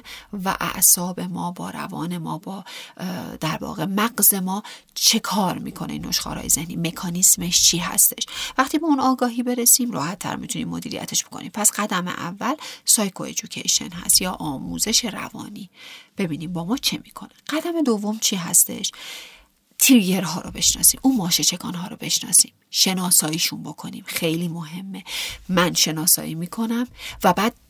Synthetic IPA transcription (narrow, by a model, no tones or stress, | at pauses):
væ̰ʔæ̰ʔsɒːbe̞mɒːbɒːɾæ̰vɒ̰ːne̞mɒːbɒː | d̪̥æɾvɒ̰ːɣe̞mæɡze̞mɒːt͡ʃʰe̞kʰɒːɾmḭːkʰo̞neino̞̰ʃxɒ̰ːɾɒ̰ːjezehniːme̞kʰɒːnisme̞ʃt͡ʃʰiːɦæ̰st̪ʰe̞ʃvæχt̪ʰiːbeunɒːɡɒːɦiːbe̞ɾesiːmrɒ̰ːhæt̪ʰːæ̰ɾmit̪ʰunḭːmːo̞d̪iːɾḭjæ̰t̪ʰe̞ʃb̥o̞kʰo̞̰niːmpʰæsɢæd̪æme̞̰ʔæ̰vːælsɒːjkʰoe̞̰d͡ʒucʰḛjʃe̞̰nɦæ̰st̪jɒːʔɒːmṵːze̞ʃe̞ɾæ̰vɒ̰ːniːb̥e̞biːniːmbɒːmɒːt͡ʃʰemiːkʰo̞neɢ̥æd̪æme̞d̪o̞vːo̞mt͡ʃʰiːɦæ̰st̪e̞̰ʃ | t̪ʰiɾje̞ɾɦɒːɾobe̞ʃnɒ̰ːsiːmʔuːnmɒːʃet͡ʃʰekʰɒ̰ːnɦɒːɾobe̞ʃnɒ̰ːsiːmʃe̞nɒːsɒːiːʃunbo̞kʰo̞niːmxe̞jliːmoɦe̞mːe̞mænʃe̞nɒːsɒ̰ːiːmiːkʰo̞næmvæbæːd̪̥̚